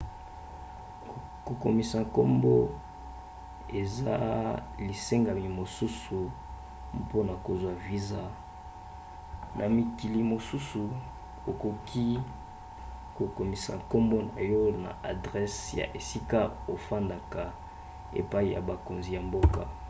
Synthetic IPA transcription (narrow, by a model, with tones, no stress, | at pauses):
ko˨ko˨mi˨sa˨ŋko˦mbo˦ | e˨za̰˦li˨se˦ŋɡa˨mi˨mo˨su˦su˨ | po˦na˨ko˨zwa˦vi˦za˦ | nʔa˨mi˨ki˨li˨mo˨su˦su˨ | o˨ko˨kʰi˦ | ko˨ko˨mi˨sa̰˨ŋko˦mbo˦na̰˨jo˦na̰˨ʔa˨dʁɛ˦sja̰˨ʔe˨si˦ka˦o˨fa˦nda˨ka˨ | ḛ˨pa˦i˨ja̰˨ba˨ko˨nzi˨ja˨mbo˦ka˨